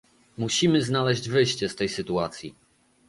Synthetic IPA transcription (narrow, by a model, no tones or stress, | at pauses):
muɕimɘznalɛʑd͡ʑvɘjɕt͡ɕɛst̪ɛjsɘt̪uat̪sʲjḭ